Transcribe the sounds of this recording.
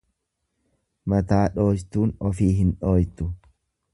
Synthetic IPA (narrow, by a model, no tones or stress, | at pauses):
mɐt̪aːᶑo̞ːt͡ʃt̪uːnɔfiːɦɪno̞ːjt̪ʊ